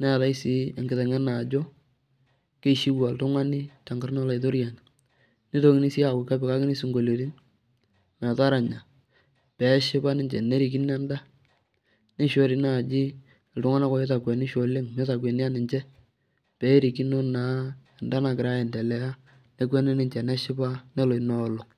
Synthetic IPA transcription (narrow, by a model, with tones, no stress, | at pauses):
na˦˨ta˦ɪ˦si˦˨ŋɡɪ˨ðɛ˨ŋɛ˦na˨d͡ʒo˦ | ke˦ʃi˦wa˨ltʊ˦ŋa˦nɪ˦ta˨ŋɡa˦ɾnɔ˦la˨ɪ˨to˦ɾja˨n˨ | nɪ˦to˦kɪ˦ni˦si˦a˨kʊ˨ka˦bɪ˨ka˦kɪ˦nɪ˦sɪ˨ŋɡo˨lo˨ɾi˦n | ma˨ta˦ɾa˨ɲa˨ | pɛ˨˦ʃɪ˦ba˦nɪ˨ɲd͡ʒɛ̰˨ne˦ɾi˨k̬ɪ˦nɛ˦nda˦ | nɪ˦ʃwo˨ɾi˨na˦˨d͡ʒɪ˦˨ | ltʊ˦ŋa˦na˦kɔ˦je˦ta˨kwɛ˨nɪ˦ʃo˨le˦ŋme˦ta˨k̬wɛ˨nɪ˦a˦nɪ˨ɲt͡ʃɛ˦ | pɛ˨˦ɾi˨ki˦no˦na˨ɛ˨nda˦na˨kɪ˨ɾa˦ɛ˨ndɛ˨lɛ˨a˦ | ne˦k̬wɛ˦nɪ˦nɪ˨ɲt͡ʃɛ˨nɛ˦ʃɪ˦ba˦nɛ˦lo˨i˨nɔ˨˦˨lo˨